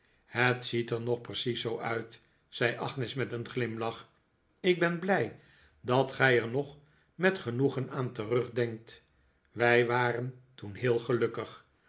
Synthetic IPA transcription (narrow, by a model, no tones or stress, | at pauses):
hətsitəɹnɔχprəsisowʔœɥt | sɛjʔɑχnɪsmɛtənχlɪmlɑχ | ɪɡ̚bɛnblɛj | dɑtχɛjəɹnɔχ | mɛtχənuχənaːntərɵχdɛŋk̚t | ʋɛjʋaːrəntunɦɪːlˠχəlɵkəχ